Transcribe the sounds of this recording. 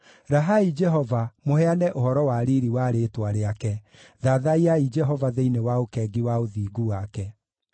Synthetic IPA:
ɾaɦaid͡ʒɛɦɔvamohɛanɛʔohɔɾɔwaɾiɾiwaɾetwaɾeakɛ | ðaðaiaid͡ʒɛɦɔvaðeinewaokɛːɡiwaoðiːɡuwakɛ

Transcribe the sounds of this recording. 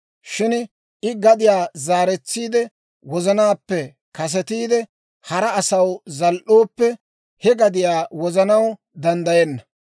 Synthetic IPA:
ʃɪn | ʔɪɡɐd̪ɪjaːzaːɾɛt͡sːiːd̪ɛ | wɔzɐnaːpːɛ | kɐs̬ɛt̪iːd̪ɛ | hɐɾɐːsɐwzɐlʔo̞ːpːɛ | hɛɡɐd̪ɪjaːwɔzɐnɐw | d̪ɐnd̪ɐjɛnːɐ

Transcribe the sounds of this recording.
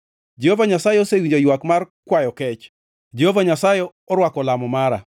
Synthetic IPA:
d͡ʒehovaɲasajeosewiɲd͡ʒojwakmarkwajɔkɛt͡ʃ | d͡ʒehovaɲasaje | ɔɾwakɔlamɔmaɾa̰

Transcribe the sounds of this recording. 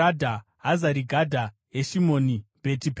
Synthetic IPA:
adʱa | ɦazaɾiɡʱadʱa | eʃimo̞ːnibʱetip

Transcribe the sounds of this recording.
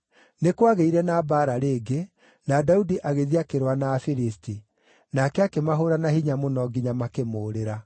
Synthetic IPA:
nekwaɣeiɾɛnabaːɾaɾeːɡe | nadaudiʔaɣeðiakeɾwanaːfiɾisti | nakɛakemaɦoɾanahiɲamonɔɡiɲamakemoːɾeɾa

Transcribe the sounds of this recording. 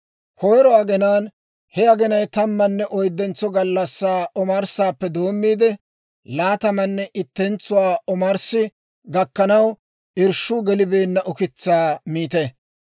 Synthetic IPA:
kɔjɾɔɐɡɛnaːn | hɛɐɡɛnɐjt̪ɐmːɐnːɛʔɔjd̪ːɛnt͡sːɔɡɐlːɐsːaːʔɔmɐɾsaːpːɛd̪o̞ːmːiːd̪ɛ | laːt̪ɐmɐnːɛʔɪt̪ːɛnt͡sːʊwaːɔmɐɾsɪ | ɡɐkːɐnɐw | ʔɪɾʃuːɡɛlɪbe̞ːnːɐʔɔkɪt͡sːaːmiːt̪ɛ

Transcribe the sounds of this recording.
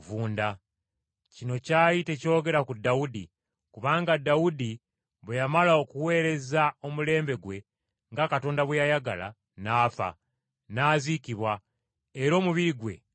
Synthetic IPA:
vuːnda | cino̞caːjite̞co̞ːɡe̞ɾakudːaudḭ | kuβaːŋɡadːaudi | βejamalao̞kuwe̞ːɾe̞zao̞mule̞ːmbe̞ɡwe̞ | ŋɡakato̞ːndaβwejajaɡala̰ | naːfa̰ | naːzikiβwa | eɾo̞ːmuβiɾiɡwe̞̰

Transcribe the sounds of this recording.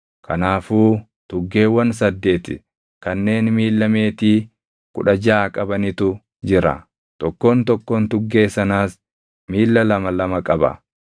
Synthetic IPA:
kʰɐnaːfuː | t̪ʊɡːe̞ːwɐns̬ɐd̪ːe̞ːt̪ɪ | kɐnːe̞ːnmiːlːɐme̞ːt̪iː | kʊ̰ᶑɐd͡ʒaːkʼɐbɐnɪt̪ʊ | d͡ʒɪɾɐ̰ | t̪ɔkːoːnt̪ɔkːoːnt̪ʊɡːe̞ːsɐnaːs | miːlːɐlɐmɐlɐmɐkʼɐbɐ̰

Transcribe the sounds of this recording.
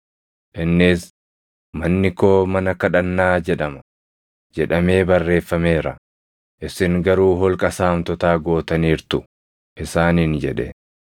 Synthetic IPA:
ʔɪnːɪs | mɐnːɪko̞ːmɐnɐkɐᶑɐnːaːd͡ʒɛᶑɐmɐ̥ | d͡ʒɛᶑɐme̞ːbɐrːe̞ːfːɐme̞ːɾɐ̰ | ʔɪsɪŋɡɐɾuːɦɔlkʼɐsaːmt̪ɔt̪aːɡo̞ːt̪ɐniːɾt̪ʊ | ʔɪsaːnɪnd͡ʒɛᶑɛ̰

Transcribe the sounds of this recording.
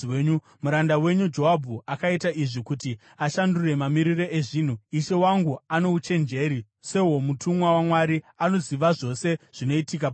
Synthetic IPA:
ɲu | muɾandawe̞ɲud͡ʒo̞ɦabʱuʔakaitaʔiʐikuti | aʃandure̞mamiɾiro̞eʐiːn̤uiʃe̞waŋɡuano̞ut͡ʃe̞nd͡ʒe̞ːɾi | seɦo̞mutʰumwawamwaɾi | ano̞ziʋaʐo̞se̞ʐ̥ino̞itikap

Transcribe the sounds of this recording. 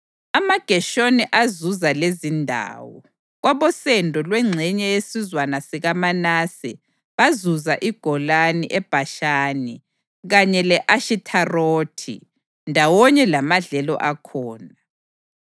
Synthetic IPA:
amaɡ̥ʱɛʃoniʔazuzalezindʱa̰ːwɔ̰ | ɣwaβɔsɛndʱɔlwɛŋ͡ǀʱɛɲɛjesizwanasiɣamanasi | βazuzaʔiɡ̥ʱɔlaniʔɛb̥ʱaʃaːni | ɣaɲɛlɛʔaʃitʰaroːtʰḭ | ndʱawɔɲɛlamaɮɛlɔ̰ʔakʰɔːna

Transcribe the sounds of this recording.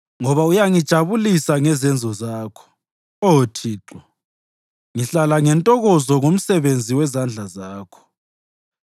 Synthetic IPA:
ŋɔβaujaŋid̥ʒ̥ʱaβulisaŋɛzɛnd͡zʱɔzaːkʰɔ̥ | ɔtʰiːǁɔ | ŋiɬalaŋɛntʼɔɣɔzɔŋom̩sɛβend͡zʱiwɛzand͡ɮʱazaːkʰɔ̥

